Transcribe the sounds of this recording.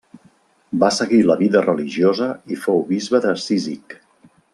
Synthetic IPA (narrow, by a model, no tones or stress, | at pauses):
basəɣiləβiðərəliʒiozəifowβizβəðəsizik